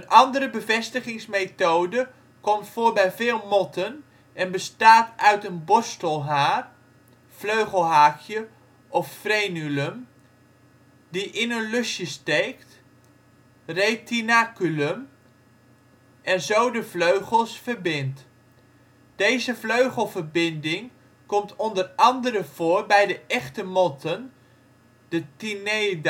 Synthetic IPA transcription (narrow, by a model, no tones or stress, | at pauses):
ənʔɑndəɾəbəvɛstəχɪŋsmetowdə | kɔmtfʊːɹbɛjvɪːlˠmɔtən | ɛnbəstaːtœɥtənbɔstəlˠɦaːr | v̥løɥχəlˠɦaːkʰjə | ʔɔffrejnyləm | diʔɪnənlɵsjəstejkt | rejtinaːkyləm | ɛnzowdəvløɥχəlˠsfəɹbɪnt | d̥ejzəvløɥχəlˠvəɹbɪndɪŋ | kɔmtʰɔndərɑndəɾəv̥ʊːɹbɛjdəʔɛχtəmɔtən | d̥ətinejd